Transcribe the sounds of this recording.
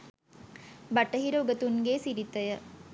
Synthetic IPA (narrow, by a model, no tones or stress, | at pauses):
baʈəɦiɾoɡət̪uŋɡeːsiɾit̪əjə